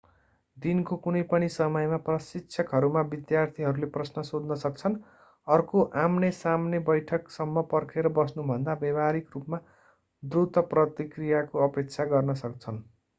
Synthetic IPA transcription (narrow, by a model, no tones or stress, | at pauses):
d̪inkokunʌjpʌnisʌmʌjmaprʌsitt͡sʰʌkɦʌɾumabid̪jart̪ʰiɦʌɾuleprʌsnʌsod̪nʌsʌk̚t͡sʰʌn | ʌrkoʔamnesamnebʌjʈʰʌksʌmːʌpʌrkʰeɾʌbʌsnubʱʌnd̪abjʌbaɾikrupma | d̪rut̪ʌprʌt̪ikrijakoʌpek̚t͡sʰaɡʌrnʌsʌk̚t͡sʰʌn